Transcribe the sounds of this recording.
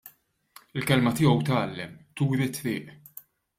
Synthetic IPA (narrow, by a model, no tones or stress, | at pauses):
ɪlkɛlmɐt̪ɪːɔwt̪ɐːlːɛmt̪uːɾɪt̪ːɾɪ̰ːʔ